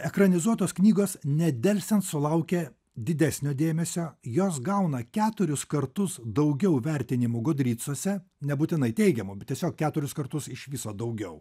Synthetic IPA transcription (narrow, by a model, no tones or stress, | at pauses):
ɛkɾɐnʲɪzuɔt̪oːsknʲiːɡoːsnʲɛd̪ʲɛlʲsʲɛnt̪sʊlˠɐʊkʲe | d̪ʲɪd̪ʲæsʲnʲoːd̪ʲeːmʲɛsʲoːjoːs̬ɡɐʊnɐkʲæːt̪ʊɾʲʊskɐɾt̪ʊsd̪ɐʊɡʲɛʊʋʲɛɾʲt̪ʲɪnʲɪmʊɡoːd̪ʲɾʲiːt̪suɔsʲɛnʲɛbuːt̪ʲɪnɐɪt̪ʲɛɪɡʲɛmʊbʲɛt̪ʲiɛsʲoːk̚kʲæːt̪ʊɾʲʊskɐɾt̪ʊsɪʃʋʲɪsoːd̪ɐʊɡʲɛʊ